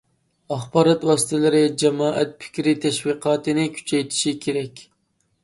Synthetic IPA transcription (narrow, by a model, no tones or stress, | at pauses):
ɑχbɑːɾɑt̪wɑːsɨ̥t̪ʰɛlɪɾɪd͡ʒɛmɑːʔæt̪̚pʰɪ̥kʲɾɪt̪ʰɛʃwiqʰɑːt̪ɪnɪkʲʰy̥t͡ʃʰɛjt̪ʰɪ̥ʃɪkʲʰeɾɛkʲ